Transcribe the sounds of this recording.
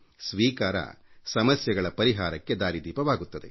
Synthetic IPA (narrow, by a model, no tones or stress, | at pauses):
sʋiːkaːɾɐ̰sɐmɐsjɐɡɐɭɐpɐɾiɦaːɾɐkːe̞d̪aːɾid̪iːpɐʋaːɡut̪ːɐd̪e̞̰